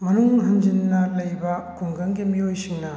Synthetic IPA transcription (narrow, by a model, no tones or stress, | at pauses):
mɐnuŋɦɐnd͡ʒinːɐlɐjbɐkuŋɡɐŋɡimiojsiŋnɐ